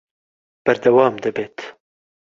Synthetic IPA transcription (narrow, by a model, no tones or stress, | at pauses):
b̥ɐɾd̪ɐwɑːmd̪ɨbeːt̪